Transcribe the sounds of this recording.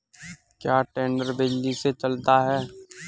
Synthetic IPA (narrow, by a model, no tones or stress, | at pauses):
kjaːʈẽːɳɖəɾbɪd͡ʒliset͡ʃɐlt̪aɦɛː